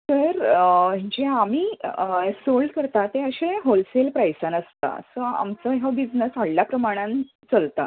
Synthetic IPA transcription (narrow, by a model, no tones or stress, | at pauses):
t̪əɾəd͡ʑeamiːsolɖkəɾt̪at̪eəɕẽɦolselpɾajsanəst̪a̰səa̰mt͡səɦəbid͡znəsʋəɽljapɾəmaɽ̃ãn | t͡səlt̪a̰